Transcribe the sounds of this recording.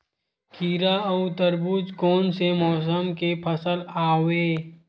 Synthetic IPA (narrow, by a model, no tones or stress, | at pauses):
kʰiːɾat̪əɾbuːd͡ʒkɔːnsemɔːs̬əmkepʰəsəlaːweː